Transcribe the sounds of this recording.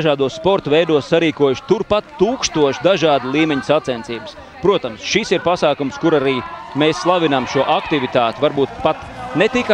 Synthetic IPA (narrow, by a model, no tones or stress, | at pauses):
aʒaːd̪uɔsspɔɾt̪vɛjd̪uɔssaɾiːkuɔjuʃt̪uɾpat̪ːuːkst̪uɔʃd̪aʒɑːd̪lˠiːmeɲsat̪sɛnt̪iːbə̥s | pɾuɔt̪amsʃisiɾpasaːkumskuɾaɾiːmeːsːlˠaʋinamʃuɔʔakt̪ivit̪aːt̪ivaɾbuːt̪̚pat̪ | net̪ika